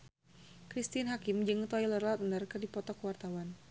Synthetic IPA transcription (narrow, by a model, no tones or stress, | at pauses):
kɾist̪inɦakɪmd͡ʒɨŋt̪ɔilərlat̪̚nərkɨrdipɔt̪ɔkəwart̪awan